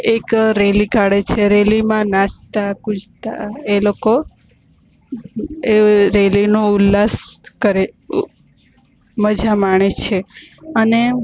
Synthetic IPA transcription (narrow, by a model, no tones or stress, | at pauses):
ekɾelikaɽet͡ʃʰeɾelimãnat͡ʃt̪akũd͡ʒt̪a̰eloko | eɾelinũʊlːaskəɾe | məd͡ʒʱamaɳ̃et͡ʃʰeəne